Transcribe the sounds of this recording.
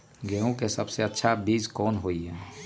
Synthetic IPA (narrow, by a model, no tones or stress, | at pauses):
ɡeːõkesəbseətːʃʰabiːd͡ʒkɔːnɦoːiɦɛː